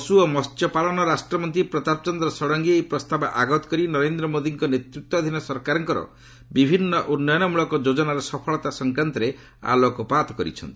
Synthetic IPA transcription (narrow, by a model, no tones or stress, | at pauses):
ɔsuomɔst̪jɔpalɔnɔɾasʈɾɔmɔnt̪ipɾɔt̪apt͡ʃɔnd̪ɾɔsɔɽɔŋɡiepɾɔst̪abɔʔaɡɔt̪ɔ̥kɔɾinɔɾend̪ɾɔmod̪iŋkɔnet̪ɾut̪ːwɔd̪ʱinɔsɔɾkaɾɔŋkɔɾɔ̰ | bibʱinːɔʔunːɔjɔnɔmuɭɔkɔd͡ʒod͡ʒɔnaɾɔsɔpʰɔɭɔt̪asɔŋkɾant̪ɔɾe | a̰lokɔpat̪ɔkɔɾḭt͡ʃʰɔ̰nt̪iii̥